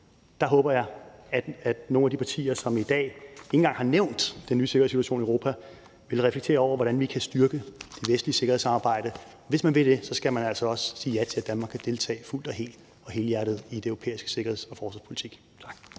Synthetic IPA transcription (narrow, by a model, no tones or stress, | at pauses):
d̥ɑ̈ɦɔ̽ːb̥ɐjɑ̈ɪæ̥æd̥no̝ːnæd̥ipʰɑ̈t͡sʰḭːɐsɒ̽mid̥ɛ̰ːeŋn̩ɡɑ̈ŋhɑ̈neʊ̰nd̥ːenːyːse̝ɡɐeðˠsi̥t͡suæɕo̰ːniəoʊʁo̝̰ːpʰæ | ʋe̝lʁɛfleɡ̥t͡sʰe̝̰ːɐɒʊ̰ɐʋɒɾ̥ænʋikʰæsd̥ɶɐɡ̥əd̥e̝ʋesd̥liəse̝ɡ̥ɐhḛsɑ̈mɑ̈ːb̥ɑ̈ɪ̰d̥əɒʋe̝smænʋe̝d̥e̝sɒ̽sɡ̥æmænæl̰sɒ̽ɒ̽ssiːjæt͡sʰe̝læd̥ænmɑ̈ːɡ̥kʰːæd̥e̝lt͡sʰɛ̰ːɪful̰d̥ɒ̽ɦe̝̰ːl | ɒ̽he̝ːljæɐɾ̥ðˠid̥eøʊʁo̝pʰḛːisɡ̥ə̥se̝ɡɐhe̝ðˠsɒ̽fɒːsʋɑ̈spʰo̝lit͡sʰiɡ̥ | t͡sʰɑ̈ɡ̥